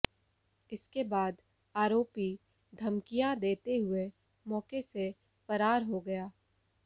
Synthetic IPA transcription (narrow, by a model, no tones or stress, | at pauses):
ɪskebaːd̪ | aːɾoːpi | d̪ʱɐmkijãd̪eːt̪eɦʊe | mɔːkese | fɐɾaːɾɦoɡɐjaː